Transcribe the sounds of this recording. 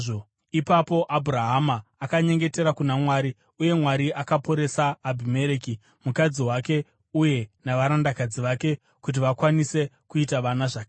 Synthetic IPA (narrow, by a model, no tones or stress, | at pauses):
o | ipapo̞ʔabʱuɾaɦamaːkaɲe̞ŋɡe̞te̞ɾakunamwaːɾi | uje̞mwaɾiakapo̞ɾe̞saːbʱime̞ɾeki | mukad͡ziɦwake̞ | uje̞naʋaɾandakad͡ziʋake̞ | kut̬iʋakwanise̞ | kuitaʋanaʐaːke